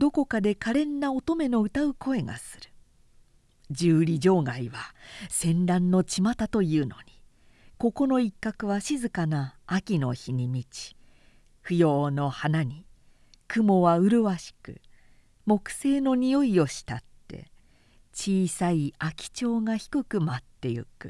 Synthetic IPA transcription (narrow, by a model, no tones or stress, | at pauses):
d̪o̞ko̞kad̪e̞kaɾẽ̞nːaot̪o̞me̞no̞ɯ̟t̪aɯ̟ko̞e̞ɡa̰sɨɾɯ̟̥ | d͡ʑɨːɾʲiʑo̞ːɡaiβasẽ̞nɾãnːo̞t͡ɕimat̪at̪o̞jɯ̟ːno̞ɲ̟i | ko̞ko̞no̞ikːakɯ̟βaɕizɨkanaːkʲino̞̰çiɲ̟imʲit͡ɕi̥ | ɸɯ̟jo̞ːno̞hanaɲ̟i | kɯ̟mo̞βaɯ̟ɾɯ̟βaɕi̥kɯ̟̰ | mo̞kɯ̟̥se̞ːno̞ɲ̟ijo̞io̞ɕi̥t̪at̪ːe̞̰ | t͡ɕiːsaiakʲi̥t͡ɕo̞ːŋaçi̥kɯ̟kɯ̟mat̪ːe̞jɯ̟̰kɯ̰